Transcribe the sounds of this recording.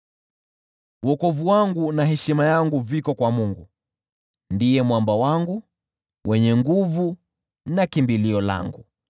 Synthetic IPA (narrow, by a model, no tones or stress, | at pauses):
wɔkɔvuwaŋɡunaɦɛʃimajaŋɡuvikɔkwamuŋɡu | ndijɛmwambawaŋɡu | wʔɛɲɛŋɡuvu | nakimbiliɔla̰ŋɡu